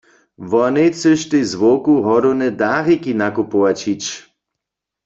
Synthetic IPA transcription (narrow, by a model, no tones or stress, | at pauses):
ʋɔnet͡səʃt̪ejzʋokuɦɔɾonɛd̪aːʁikinakupowat͡ɕit͡ɕ